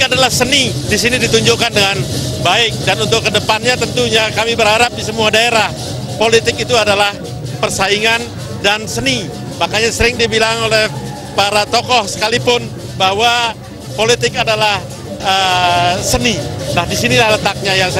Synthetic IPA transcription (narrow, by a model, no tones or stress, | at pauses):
adalahsənidisinidit̪uɲd͡ʒʊkandəŋanbaɪk̚danunt̪ʊkːədəpanɲat̪ənt̪uɲakamibəɾɦaɾap̚disəmuadaeɾah | polit̪ɪkit̪uadalah | pərsaiŋan | dansəni | makaɲasəɾɪŋdibilaŋolɛh | paɾat̪okɔhsə̥kalipʊn | bahwa | polit̪ɪkadalah | əsəninahdisinilahlət̪ak̚ɲajaŋs